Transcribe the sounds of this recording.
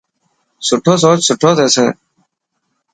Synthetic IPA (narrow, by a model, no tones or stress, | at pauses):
sʊʈʰoːs̬oːt͡ɕsʊʈʰoːt̪eːsḛ̃ː